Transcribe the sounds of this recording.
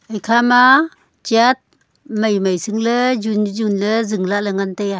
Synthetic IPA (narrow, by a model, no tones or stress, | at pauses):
ʔajkʰama | t͡ʃiat̚ | majmajsɯŋlezunzunləzɯŋlaʔləŋantaja